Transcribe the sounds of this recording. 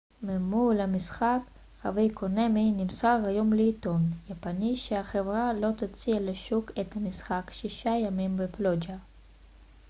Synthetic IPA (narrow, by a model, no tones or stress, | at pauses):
memulamisχak | χa̰vejkʰoneminimsaʁhajo̞mleːt̪o̞njapaniʃeaχevʁalo̞t̪at͡sialeʃuket̪hamisχakʃiʃajamimbeplod͡ʒa